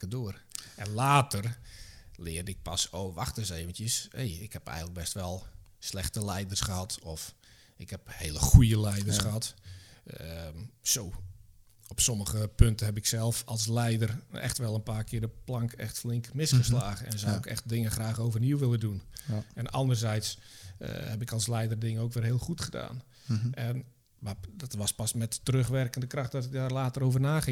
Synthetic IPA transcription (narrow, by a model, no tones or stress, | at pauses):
ədoər | ɛnlaːtər | lɪədɪk̚pasoʋaxtəseːvəntjəsḛːɪkhɛpɛ̰jɣənlək̚bɛstʋɛlˠslɛxtəlɛjdərsχəhɑtɔf | ɪkhɛpheːləxujəlɛjdərsxəɦɑt | soː | ɔpsɔməɣəpøntəɦɛpɪksɛlˠfɔlˠslɛjdərɛ̰xtʋɛlˠənpaːrkʰɪːdəplɑŋkɛ̰xtflɪŋkmɪsχəslaːɣəɛnzawɪkɛ̰xt̚dɪŋəxraːχoːvərniwʋɪlˠədunɛnɑ̰ndərzɛjts | hɛpɪkɑlˠslɛjdərdɪŋəowkʋɪlˠɦɪəlˠχutχəda̰ːn | ɛn | madɔtʋɑspɑsmɛtːərøχʋɛrkəndəkrɑxtdɔtɪk̚darlaːtəɾoːvərnaːxɪŋ